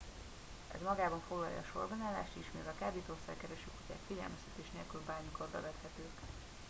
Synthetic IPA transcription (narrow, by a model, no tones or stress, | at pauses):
ɛ̰zmɒɡaːbɒɱfoɡlɒ̰jɒ̰ːʃo̞̰rbɒnaːlːa̰ːʃt̪iːʃmḭːvɛlkaːbeːt̪orsa̰ːɡkɛɾɛʃykuca̰ːkfiɟɛ̰lmɛst̪ɛ̥t̪eːʃnḛlkylbaːrmiko̞rbɛ̰vɛt̪hɛt̪øːk